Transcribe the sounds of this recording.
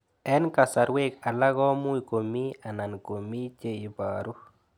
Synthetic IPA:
ɛ˦nka˨sa˨ɾwe˦ka˨la˦ɡɔ˦mu˦i˨ko˨mi˦a˨na˨nko˨mi˦t͡ʃe˦i˨baːɾu˦

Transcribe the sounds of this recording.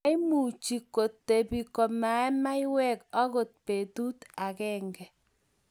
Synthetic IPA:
i˦mu˨t͡ʃi˨ko˨tːe˨bi˨kɔ˨ma˨ɛ˦ma˦ɪ˦wɛ˦kɔ˦ko˨t̚pe˨tu˦ta˨kɛ˦ŋɡɛ˨

